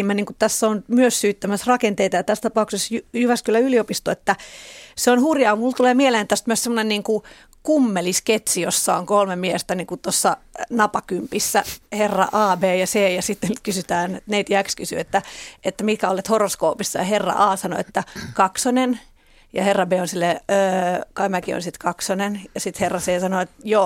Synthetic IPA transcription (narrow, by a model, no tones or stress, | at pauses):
mːæniːŋkutt̪æsːonmyøssyːt̪ːæmæsrɑkent̪eit̪ɑjɑt̪æst̪ɑpɑuksesjyjyʋæskylːæyliopist̪oet̪ːæseonhurjɑːmult̪uleːmieleːnt̪æst̪myøssemːonenniːŋku | kumːelisket̪sijosːɑoŋkolmemiest̪æniŋkut̪osːɑnɑpɑkympisːæherːɑ̰ʔɑːbeːjɑseːjɑsit̪ːenkysyt̪æːnneit̪jækskysy̰et̪ːæʔet̪ːæmit̪̚kæolet̪horoskoːpisːɑjɑherːɑ̰ʔɑːsɑno̰ḛt̪ːækɑksonen | jɑherːɑbeːonsilːeøːkɑimækio̰nsit̪kɑksonenjɑsit̪herːɑseːsɑnoet̪jo